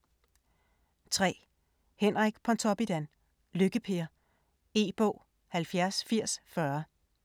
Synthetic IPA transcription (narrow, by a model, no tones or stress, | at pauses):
t͡sʰʁɛ̰ː | henʁaɡ̥pʰɒ̽nt͡sʰɒb̥id̥æn | løɡ̥əpʰe̝ɐ | e̝̰ːb̥ɔ̽ʊ̰ | hælfjæɐsfiɐ̰sfɶɐ